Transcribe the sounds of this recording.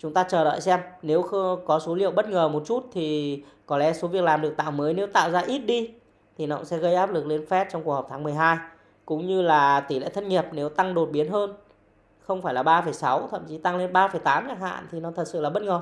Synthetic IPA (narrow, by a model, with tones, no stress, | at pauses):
t͡ɕʊ˨˦ŋ͡mt̪aː˧t͡ɕəː˨˩ɗə̰ː˧˨jsɛ˧mne˨˦wxkɔ˨˦so˨˦lḭ˧˨əwɓə˦˥t̚ŋəː˨˩mo˨˩t̚t͡ɕu˦˥t̚t̪ʰi˨˩kɔ˨˦lɛ̰˧˨˦so˨˦vi˨˩əklaː˨˩mɗɨ˨˩ək̚t̪a̰ː˧˨wməː˨˦jne˨˦wt̪a̰ː˧˨wzaː˧ʔi˦˥t̚ɗi˧ | t̪ʰi˨˩nə̰˧˨wŋ͡msɛ̰˧˥ɣə˧jʔaː˦˥p̚lɨ˨˩k̚le˧nfɛ˦˥t̚t͡ɕɔ˧wŋ͡mku˨˩k̚hɔ˨˩p̚t̪ʰaː˨˦ŋmɨ˨˩əjɦaː˧j | kʊ̰˧˥ŋ͡mɲɨ˧laː˨˩t̪i˧˩lḛ˧˨t̪ʰə˧nŋi˨˩əp̚ne˨˦wt̪a˧ŋɗo˨˩t̚ɓi˨˦ənɦəː˧n | xə˧wŋ͡mfaː˧˩jlaː˨˩ɓaː˧fəː˧˩jsa˨˦wt̪ʰə̰˧˨mt͡ɕi˨˦t̪a˧ŋle˧nɓaː˧fə˧˩jt̪aː˨˦mt͡ɕa˦˥k̚ha̰ː˧˨nt̪ʰi˨˩nɔ˨˦t̪ʰə˨˩t̚sɨ̰˧˨laː˨˩ɓə˦˥t̚ŋəː˨˩